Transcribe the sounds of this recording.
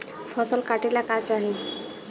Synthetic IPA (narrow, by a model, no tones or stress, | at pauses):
fʰɔsɔlkaʈilakat͡ʃaɦi